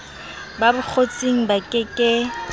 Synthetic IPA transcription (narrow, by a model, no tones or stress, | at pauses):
babʊk͡xʰot͡sʼiŋ̩bakʼɪkʼɪ